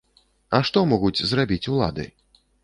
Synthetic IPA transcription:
ɐʂt̪ɔmɔɣud͡zʲzrabʲit͡sʲulˠa̰d̪ɨ̰

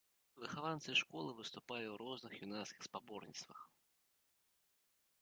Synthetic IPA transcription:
vɨxavant̪sɨʂkɔlˠɨvɨst̪upalʲiwɾɔznɨxjunaskʲi̥xspabɔrnʲḭt̪st̪vɐ̰x

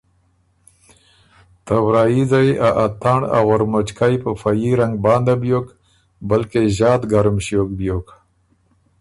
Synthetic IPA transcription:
t̪awɾɑːizajaʔat̪aɳɖa̰ɣoɾmot͡ʃkajpəfajiɾaŋɡ̚bɑːnd̪abjok | balkeʑɑːt̪ɡaɾmɕjok̚bjok

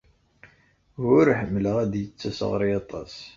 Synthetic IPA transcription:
ʊɾħəmːləʁæd̪jət͡sːæsə̰ʁɾiɑt̪ˤɑ̰s

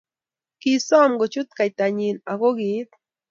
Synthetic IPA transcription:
kisamɢot͡ʃʊt̪kajt̪aɲinaɡoɡit̪̚

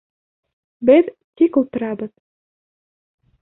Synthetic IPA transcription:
bɘðt̪ikulˠt̪ɤ̆ɾɑbɤ̆ð

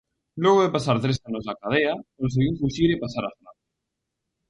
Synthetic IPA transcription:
lwoɣ̞oðepasaɾt̪ɾesanozakað̞eakõns̬eɣiufuʃiɾipasaɾafɾaðo

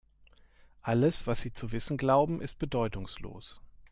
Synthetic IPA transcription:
ʔaləsv̥asz̥iːt͡suvɪsn̩ɡlaʊbm̩ʔɪst̚b̥ədɔʏtʊŋslo̰ːs

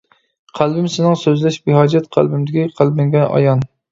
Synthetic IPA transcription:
qʰælbɪmsɪnɪŋsøzlɛʃbɪɦɑd͡ʒɛt̪qʰæ̰lˠbɪmd̪ɪkʲiqʰælbɪŋɡʲɛnʔɑ̰jɑn

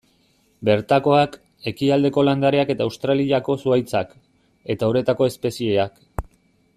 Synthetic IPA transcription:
be̞ɾt̪ako̞ak | e̞kiald̪e̞ko̞land̪aɾe̞ake̞t̪aːwst̪ɾaliako̞suajt͡sak | e̞t̪auɾe̞t̪ako̞e̞spe̞sie̞ak

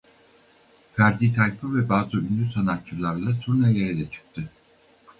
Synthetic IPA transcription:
fæɾd̪iːt̪ʰajfɯvɛbaːzɯynd̪ysanat̪̚t͡ʃɯlˠaɾlˠasunajeɾid̪ɛt͡ʃʰɯ̥k̚t̪ʰy

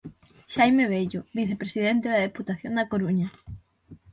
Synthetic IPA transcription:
ʃajmeβeʎʊβiθepɾesiðent̪eðɐðeput̪aθjond̪ɐkoɾuɲɐ

